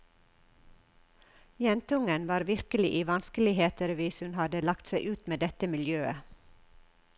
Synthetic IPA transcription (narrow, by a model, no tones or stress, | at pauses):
jɛnt̪ʊŋənʋɑːɾʋɪɾkəlɪʔiːʋɑnskəlɪheːt̪əɾʋɪshʉnhɑd̪əlɑkt̪sæɪʔʉːt̪meːd̪ɛt̪əmɪljøːə̰